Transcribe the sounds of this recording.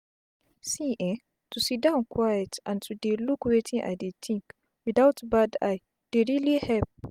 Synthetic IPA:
siʔɛ̃ | tʰusidãʊ̃nkʰwajɛtʔãntʰudelukwetʰĩnʔa̰ɪdet̪ʰĩŋk | widaʊtbada̰ɪ | d̥eɹilihɛp̚

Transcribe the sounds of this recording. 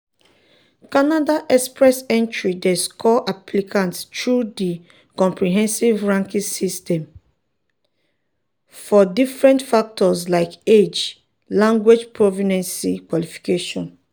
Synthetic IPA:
kanadaʔɛspɹɛsɛ̃ntɹidɛskʰɔʔapʰlikʰãnttɹudi | kɔ̃mpɹiɦɛ̃nsivɹãŋkĩsistɛ̃m | fɔdifɹɛ̃ntfak̚tɔslaɪked͡ʒ | lãŋɡwed͡ʒpɹɔvinɛ̃nsikwalifi̥keʃɔ̃n

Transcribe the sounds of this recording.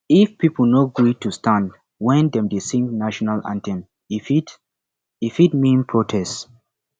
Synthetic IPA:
ifpipl̩noɡɹitustʰãnd | wɛ̃ndɛ̃mdesĩŋɡnaʃɔnalã̰ntʰɛ̃n | fit | ifit̚mĩnpʰɹotʰɛst

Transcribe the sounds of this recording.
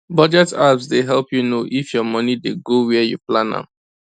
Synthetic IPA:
bɔd͡ʒɛtabsdeɦɛlˠpjunoʔifjɔmʌnideɡowɛjṵplãna̰

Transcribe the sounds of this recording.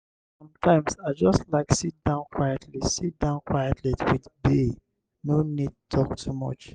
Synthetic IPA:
sɔ̃mtʰãɪ̃msad͡ʒɔstlaɪksit̚d̥ãʊ̃nkʰwajɛtʰlisit̚d̥ãʊ̃nkwajɛtʰlitwidbe | nonid̚utʰɔk̚tʰumɔ̰t͡ʃ

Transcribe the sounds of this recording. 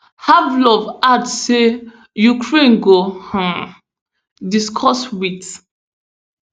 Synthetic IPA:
havlɔvadsːe | jukʰɹẽnɡohã | diskʰɔswit

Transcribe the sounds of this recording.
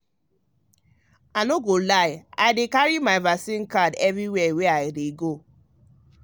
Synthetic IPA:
anoɡolaɪaɪdekaɹimaɪvasĩnkadɛvɹiwɛwɛaɪdeɡo

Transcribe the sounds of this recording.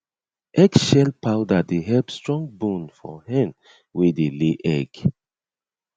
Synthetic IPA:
ʔɛɡʃɛlpaʊdadeɦɛlpstɹɔ̃ŋɡbũnfɔ̰hɛ̃n | wedeleʔɛɡ̥

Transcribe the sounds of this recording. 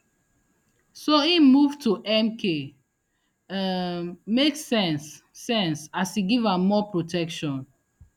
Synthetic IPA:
soĩmuvtuʔɛmkʰe | meksɛ̃nsː | ɛ̃nsasiɡivãːɔpɹotʰɛkʃɔ̃n

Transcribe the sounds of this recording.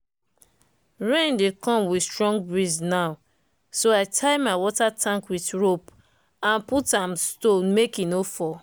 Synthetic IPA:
ɹẽndekɔ̃mwistɹɔ̃ŋɡ̚bɹiznaʊ | soaɪtʰaɪmaɪwɔtatʰãŋkwiθɹop | ãnputãmstonmekinofɔ

